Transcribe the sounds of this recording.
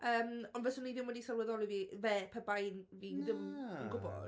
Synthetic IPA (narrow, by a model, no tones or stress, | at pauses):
əːmɔnvɛsʊnivɪmɔdisɛlˠwɛðɔlivivɛpʰɛbajnviðɪmənɡʊbɔ̰d̥